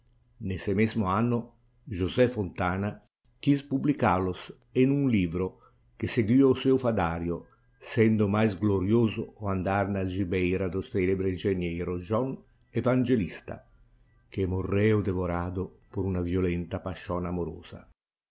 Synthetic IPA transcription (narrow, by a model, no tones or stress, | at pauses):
nesemɛzmʊanːʊ | ʒuzɛfont̪aːna | k̟ispublikalʊs | enunliːbɾo | keseɡwiːousɛwfad̪aːɾjo | sɛnd̪ʊmajzɡloɾjoːzʊːand̪aɾnald͡ʒibɛjɾad̪osɛlebɾeind͡ʒenjɛɾʊd͡ʒɔn | evand͡ʒelist̪a̰ | kemorːɛːʊd̪evoɾaːd̪ʊpoɾunavjolɛnt̪apaʃɔnamoɾo̰ːz̥a̰